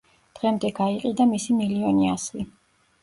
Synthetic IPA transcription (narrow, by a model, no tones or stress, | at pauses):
d̪̥ʁɛmd̪ɛɡaiqʼid̪amisimiliɔniasi